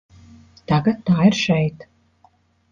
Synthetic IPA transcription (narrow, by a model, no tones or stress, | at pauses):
t̪aɡat̪ːaːiɾʃɛjt̪